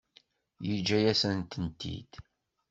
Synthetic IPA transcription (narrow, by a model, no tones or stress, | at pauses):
jəd͡ʒːæjæsənt̪ənt̪ːḭd̪̥